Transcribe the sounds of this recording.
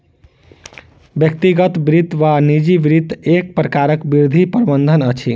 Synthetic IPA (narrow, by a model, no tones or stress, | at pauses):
bjək̚t̪iɡət̪bɾit̪ːʋanid͡ʒibɾit̪ːek̚pɾəkaɾəkbiɾd̪ʱipəɾbənd̪ʱənət͡ʃʰi